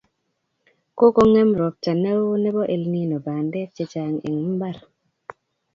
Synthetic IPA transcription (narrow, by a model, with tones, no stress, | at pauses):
ko˦ko˦ŋɛ˦mɾɔ˨p̚t͡ʃa˨ne˦wo˦nɛ˦bɔ˦ʔe˨lŋi˦nɔ˨ba˨nde˦t͡ʃe˨t͡ʃa˨ŋḛ˨ŋm̩˦ba˦ɾ